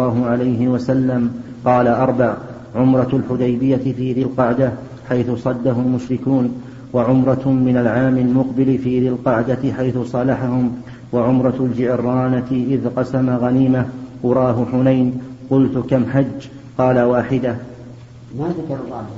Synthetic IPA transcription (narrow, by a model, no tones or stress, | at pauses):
ɑːɦʊʕalajɦɪwasalːam | qɑːlaʔɑɾˤbaʕ | ʕʊmɾˤɑlħʊd̪ajbɪjːafiːðɪlqɑʕd̪a | ħajθʊsˤɑd̪ːaɦʊlmʊʃɾɪkuːn | waʕʊmɾˤɑmɪnalʕaːmalmʊqbɪlɪfiːðalqɑʕd̪aɪħajθʊsˤɑlaħahʊm | waʕʊmɾˤɑld͡ʒɪʔɾːɑːnaʔɪðqɑsamaɣaniːmawʊɾˤɑːɦʊħʊnajnqʊlt̪ʊkamħad͡ʒː | qɑːlawaːħɪd̪ah | ma